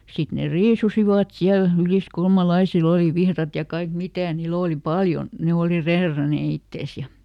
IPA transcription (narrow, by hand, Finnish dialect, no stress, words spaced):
sit ne riːsusiʋɑt siæl yliskulmɑlɑisil oli ʋihrɑt jɑ kɑik mitæˑ niːl oˑli pɑljon̞ ne oli reːrɑneˑ itːeˑs jɑ